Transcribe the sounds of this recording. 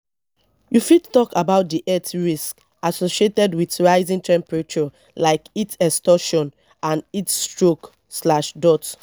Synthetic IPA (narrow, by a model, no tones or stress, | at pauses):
jufidtɔkabaʊt̚diʔɛtɹisk | asoʃietɛdwitɹaɪzĩntɛ̃mpɹɛt͡ʃɔ | laɪkitɛstɔʃɔ̃n | ãnitstɹok | slaʃdɔt